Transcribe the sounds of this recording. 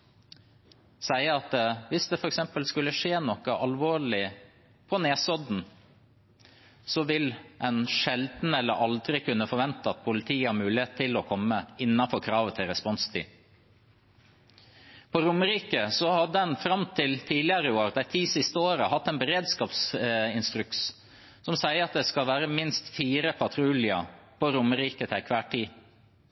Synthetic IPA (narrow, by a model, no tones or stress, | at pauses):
sæɪəɑt̪ʋɪsd̪ɛfɔɾɛksɛmpəlskʉlːəʂeːnɔkəʔɑlʋoːɭɪ | pʰɔneːsɔd̪n̩ | sɔʋɪlʔɛnʃɛld̪n̩ɛlːə̰ɾʔɑld̪ɾɪkʉnːəfɔɾʋɛnt̪əɑt̪̚pʰʊlɪt̪ʰiːhɑɾmʉːlɪheːt̪t̪ʰɪlɔkʰɔmːəɪnːɑfɔɾkʰɾɑːʋət̪ʰɪlɾɛspɔnst̪ʰḭː | pʰɔɾʊməɾiːkəsɔhɑd̪ːəɑnfɾɑmt̪ʰɪlt̪ʰiːlɪəɾəoːɾd̪æɪt̪ʰiːsɪst̪əoːɾəhɑt̪ːɛːnbəɾeːd̪skɑːpsɪnst̪ɾʉks | sɔmsæɪəɾɑt̪̚d̪ɛskɑlʋæːɾəmɪnst̪fiːɾəpʰɑt̪ʰɾuːlɪə̰pʰɔɾʊməɾiːkət̪ʰɛɪkʰʋæːʈʰiː